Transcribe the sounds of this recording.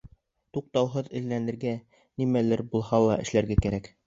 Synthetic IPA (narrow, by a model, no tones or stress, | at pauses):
t̪uq̚t̪ɑwɦɤðɘ̆lːænɘ̆ɾɡæ | nimælɘɾbulˠhɑlˠɑʔɘ̆ʃlæɾɡækæɾæk